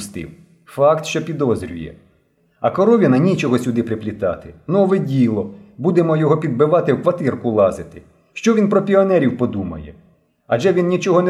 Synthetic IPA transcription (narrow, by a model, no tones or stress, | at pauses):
st̪ɪ̰w | fɑkt̪ʃt͡ʃɔpʲid̪ɔzɾʲʊ̰jɛ̰ | ɐkɔɾɔʋʲinɐnʲit͡ʃɔɦɔsʲʊd̪ɪpɾɪplʲit̪ɑ̰t̪ɪnɔʋɛdʲilˠɔbud̪emɔjɔɦɔpʲid̪̚bɪʋɑt̪ɪwkʋɐt̪ɪrkʊlˠɑzɪt̪ɪ | ʃt͡ʃɔʋʲinpɾɔpʲiɔnɛɾʲiwpɔd̪umɐ̰jɛ̰ | ɐʒɛʋʲinnʲit͡ʃɔɦɔn